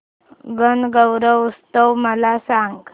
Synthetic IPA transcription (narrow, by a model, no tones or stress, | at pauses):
ɡənɡəwɾəʋust̪əwməlasaŋɡ